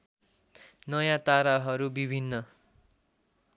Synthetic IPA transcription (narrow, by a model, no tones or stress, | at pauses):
nʌjãt̪aɾaɦʌɾubibʱinːʌ